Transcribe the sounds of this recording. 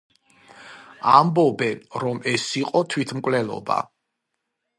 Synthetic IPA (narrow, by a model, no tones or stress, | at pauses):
ambɔbɛnɾɔmɛsiqʼɔt̪ʰwit̪ʰmkʼwlɛlˠɔ̰ba̰